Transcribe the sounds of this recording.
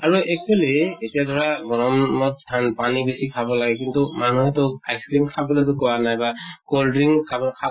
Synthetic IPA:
aɹuɛk̚ɔliːtijadʱɔɹaɡɔɹɔmnɔt̚tʰanpanibesikʰabɔlaɡɛkintumanuɦɛtɔajskɹimkʰabɔlɛtukɔwanajbakoldɹiŋkʰabɔkʰa

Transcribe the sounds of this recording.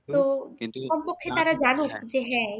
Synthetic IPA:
t̪okɔmpɔkʰːet̪aɾad͡ʒanukd͡ʒeɦɛ

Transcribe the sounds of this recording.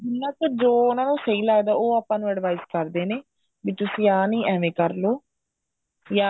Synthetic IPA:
ɪnːãːkəd͡ʒoːʊnãːnũːsəiːlaːɡd̪aːoːaːpãːnũːɛɖʋaːizkəɾd̪eːneː | biːt̪ʊsĩːaːnĩːʔɛːʋẽːkəɾloː | jaː

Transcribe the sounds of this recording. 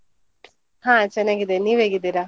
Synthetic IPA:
hãt͡ʃɛnːaːɡid̪eniːʋeːɡid̪iɾa

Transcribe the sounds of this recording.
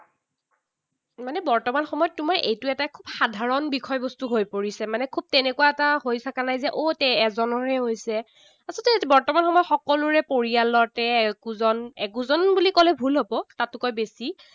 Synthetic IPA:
manɛbɔɹtɔmanxɔmɔjɔtːʊmaɹʔejtʊɛtakʰubxadʱaɹɔnbikʰɔjbɔstuɦojpoɹisɛmanɛkʰub̚tɛnɛkuwaɛtahojtʰakanajzɛʔotɛɛzɔnɔɹɛɦojsɛ | asɔtɛbɔɹtɔmanxɔmɔjɔtxɔkɔlʊɹɛpoɹijalɔtɛkuzɔnɛkuzɔnbulikɔlɛbʱulɦɔbɔtatːʊkɔjbesi

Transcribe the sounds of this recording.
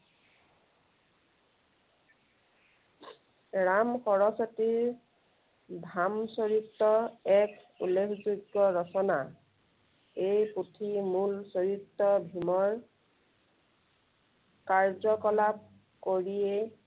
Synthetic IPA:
ɹamxɔɹɔsɔtiɹ | bʱamsoɹitːɔɛk | ulːekʰzuɡːɔɹɔsɔna̰ | ejputʰimulsoɹitːɔbʱimɔɹ | kaɹzɔkɔlap̚ | koɹije

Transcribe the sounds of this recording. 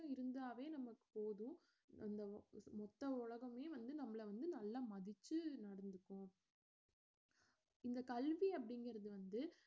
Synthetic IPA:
ɪɾɯnd̪aːʋeːnɐmɐkːɯ̥poːðʊ̃ | ɐ̰nd̪ɐmɔt̪ːɐʊɻɐɣɐmeːʋɐnd̪ɯnɐmːɐɭɐʋɐnd̪ɯnɐlːaːmɐðɪt͡ʃːɯnɐɽɐnd̪ɯkːʊ̃ | ɪnd̪ɐkɐlʋiɐp̬ːɐɽɪŋɡɪɾɐðɯʋɐnd̪ɯ

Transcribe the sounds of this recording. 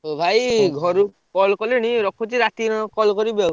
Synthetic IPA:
ɦobʱajɡʱɔɾu | kɔlkɔleniɾɔkʰut͡ʃiɾat̪inɔkɔlkɔɾibɔ

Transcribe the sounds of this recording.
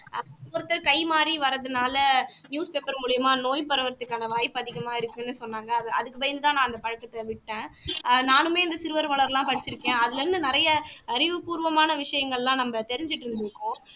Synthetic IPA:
ɔɾɯt̪ːɐɾkɐɪmaːɾiʋɐɾɐðɯnaːlɐnjuːspeːpɐɾmuːɭɪjɐmaːnoːjpɐɾɐʋɐɾt̪ːɯkːaːnɐʋaːjɪpːɐðɪɣɐmaːɪɾɯkːʊ̃nːɯsɔnːaːŋɡɐːðɐ̰ðɯkːɯpɐjɐnd̪ɯt̪ãːnãːɪnd̪ɐpɐɻɐkːɐt̪ːɐʋɪʈːẽːnaːnɯmeːɪnd̪ɐsɪɾɯʋɐɾʋɐɭɐɾlãːpɐɽɪt͡ʃːɪɾɯkːẽːɐðɪlɛɾɯnd̪ɯnɪɾɐjɐɐɾɪʋɯpuːɾʋɐmaːnɐʋɪʂɐjɐŋɡɐɭlãːnɐmːɐt̪ɛɾɪɲd͡ʒɪʈːɪɾɯnd̪ɪɾɯkːõː

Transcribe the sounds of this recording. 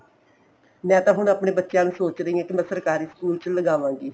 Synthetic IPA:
mɛ̃ːt̪ãːɦʊɳaːpneːbətːʃjãːnũːsoːt͡ʃɾəĩːãːkɪmɛ̃ːsəɾkaːɾiːskuːlt͡ʃləɡaːʋãːɡiː

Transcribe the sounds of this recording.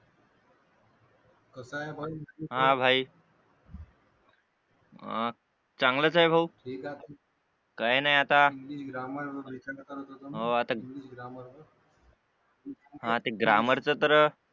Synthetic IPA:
kəsaebʱajɦãbʱaj | t͡saŋɡlət͡saebʱawʈʰiːkat̪ | kajnajat̪aliɡɾaməɾbit͡ɕakt̪aɾət̪ət̪əɦoat̪aliɡɾaməɾ | ɦãt̪eɡɾaməɾt͡sət̪əɾ

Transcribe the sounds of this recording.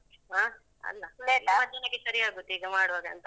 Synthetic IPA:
aː | ɐ̰lːɐlelːɐmɐd̪ɐnɐɡːesɐɾiaːɡut̪ːiːɡɐmaːɽuʋaːɡɐnt̪ɐ

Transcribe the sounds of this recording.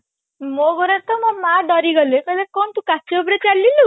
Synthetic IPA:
moɡɔɾat̪ɔmɔmaɖɔɾiɡɔlekɔlekɔnt̪ũkat͡ʃeopɾet͡ʃalilu

